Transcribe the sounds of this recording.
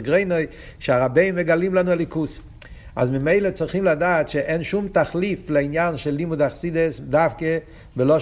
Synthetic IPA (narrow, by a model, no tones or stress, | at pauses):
ɡʁeɪnoɪ | ʃɪaʁabeɪmmɛɡalimlˠanuɛlikus | a̰zmɪmeɪlˠət͡sɪɾχimladaːtʃɪʔɛnʃumtaχliflɪainjanʃɛlːimudaχsidəsdafkə | bɪlˠɔ